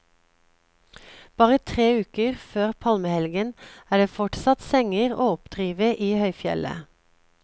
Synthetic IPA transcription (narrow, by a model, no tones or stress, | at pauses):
b̥ɑːʁət̪ʰʁeːʉːkəʁføːʁpʰɑlməhɛlɡənæːɖeːfɔʈsɑt̪sɛŋəʁo̰ːɔpd̪̥ʁiːʋəʔiːhœʏfjɛ̰lə̰